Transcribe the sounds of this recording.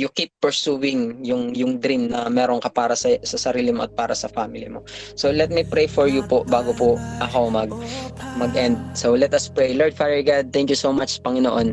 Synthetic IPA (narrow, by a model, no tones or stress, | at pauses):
jʊkipːɛɹsuːwɪŋjʊŋjʊŋd̪ɾimnɐmɛːɾoŋkɐpaːɾɐsɐsɐsɐɾiːlɪmoʔɐt̪̚paːɾɐsɐfamɪlḭmo̞solɛt̪̚mipɹejfɔɹjupoʔbaːɡopoʔɐkomɐɡ̚mɐɡʔɛnd̪̚solɛt̪ɐspɹejloɹd̪̚faːd̪ɛɹɡad̪̚t̪ɛ̃ŋkjusowmat͡ʃspɐŋɪnoʔon